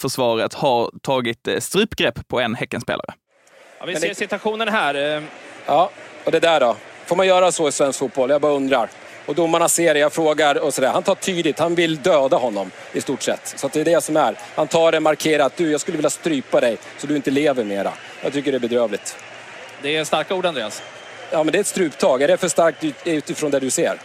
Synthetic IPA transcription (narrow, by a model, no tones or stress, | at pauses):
fœʂvɑːɾət̪haɾt̪ʰɑːɡɪt̪st̪ɾʉ̟ːpːɡɾɛpːpʰɔɛnhɛkːənspḛːlʔa̰ɾə̰ | ɑ̰vɪːsɪt̪aɧuːnənɦæːɾjɑːɔd̪ɛd̪æɖɔfoːmanjœːɾasɔɪsvɛnskfuːt̪̚bɔlːjaɡbɑːɾɵnd̪ɾaɾ | ɔd̪ɔmanaseːɾɛjafɾoːɡaɾɔsɔd̪æːɾhant̪ʰɑːʈʰyːd̪ɪt̪hanvɪld̪øːd̪ahɔnːɔm | ɪst̪uːʈʂɛ̰t̪ːsɔat̪d̪ɛɖɛsɔmæɾ | hant̪ʰɑːɖɛmaɾkʰeːɾat̪̚d̪ɵjɑːɡskɵlːvɪlːast̪ɾyːpad̪ɛj | sɔd̪ɵɪnt̪əleːvəɾmeːɾa̰ | jɑ̰ːɡt̪ʏkːəɖɛbɛd̪ɾøːvlɪt̪ | d̪ɛɛst̪aɾkauːɖand̪ɾeːas | jɑːmɛnd̪ɛɾɛt̪st̪ɾʉ̟ːpt̪ʰɑːɡɛɖɛfœʂt̪aɾkt̪̚d̪ɵd̪ɛɾʉ̟ːt̪ɪfɾɔːnd̪ɛd̪ɵsḛːɾ